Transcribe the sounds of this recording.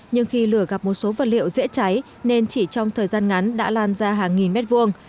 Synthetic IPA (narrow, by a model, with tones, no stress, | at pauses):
ɲɨ˧ŋxi˧lɨ˧˩əɣa˨˩p̚mo˨˩t̚so˨˦və˨˩t̚lḭ˧˨wzḭ˧˥ət͡ɕa˨˦j | ne˧nt͡ɕi˧˩t͡ɕɔ˧wŋ͡mt̪ʰəː˨˩jzaː˧nŋa˨˦nɗa̰ː˧˥laː˧nzaː˧ɦaː˨˩ŋːi˨˩nmɛ˦˥t̚vu˧əŋ